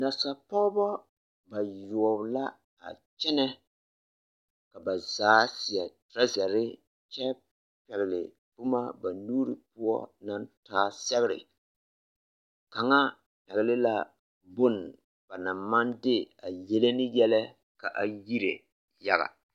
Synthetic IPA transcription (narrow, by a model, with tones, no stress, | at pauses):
na˨sa˨pɔ˦ɣbɔ˦ | ba˨jɔ˨ɔ˨bla˦ | a̰˨ | t͡ʃɛ˦nɛ˦ | ka˨ba˨zaː˨˦sɪ˨a˨tɾa˦zɛ˨ɾɪ˦ | t͡ʃɛ˦ | pɛ˨ɣɪ˨lɪ̰˨ | pʊ˦ma˦ba˨nuː˦ɾi˨pʊ˦ɔ̰˦na˦ntaː˦sɛ˦ɣɪ˦ɾɪ̰˨ | ka˨ŋa˦ | pɛ˨ɣɪ˨lɪ˦la˦ | bʊ˦n | b̥a˨na˨mːa˦ndɪ˦a˨jɛ˦le˦nɪ˦jɛ˦lɛ˦ | ka˨ʔa˨ji˦ɾḛ˨ | ja˦ɣa̰˨